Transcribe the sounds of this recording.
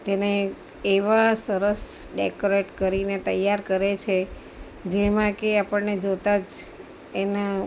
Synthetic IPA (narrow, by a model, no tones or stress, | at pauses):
t̪ene | eʋasəɾəsɖekoɾeʈkəɾinet̪ə̰jːaɾkəɾet͡ʃʰe | d͡ʒemãkeapəɳned͡ʒot̪ad͡ʒ | ena